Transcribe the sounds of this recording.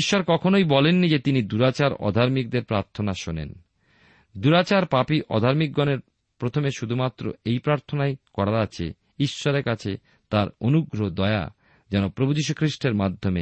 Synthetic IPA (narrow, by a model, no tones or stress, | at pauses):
iʃːoɾkɔkʰonojbɔlenːid͡ʑet̪inid̪uɾat͡ɕaɾɔ̰d̪ʱaɾmik̚d̪eɾpɾaɾt̪ʰonaʃonḛn | d̪uɾat͡ɕaɾpapiʔɔ̰d̪ʱaɾmik̚ɡɔneɾ | pɾot̪ʰomeʃud̪ʱumat̪ːɾo̰ejpɾaɾt̪ʰonajkɔɽaɾat͡ɕʰḛ | iʃːoɾeɾkat͡ɕʰe | t̪aɾonuɡɾod̪ɔea̰ | d͡ʑɛnopɾobud͡ʑiʃukʰɾiʃʈeɾmad̪ʱːome